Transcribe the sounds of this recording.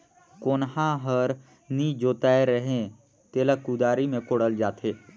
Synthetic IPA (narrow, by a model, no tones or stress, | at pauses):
koːnɦãɦəɾ | nid͡ʒoːt̪aːeɾəɦẽ | t̪eːlakud̪aːɾimẽkoːɽəld͡ʒaːt̪ʰeː